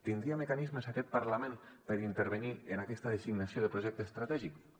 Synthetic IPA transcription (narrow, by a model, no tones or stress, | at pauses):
t̪ind̪ɾiamekanizməsakɛt̪̚paɾlamẽnpəɾint̪əɾβenienakɛst̪aðəsiɡnasijoðəpɾoʒɛk̚t̪əest̪ɾat̪ɛʒik